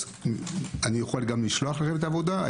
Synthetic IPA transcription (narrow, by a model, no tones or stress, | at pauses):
anijoχalɡamliʃloaχlaχemet̪avod̪aa̰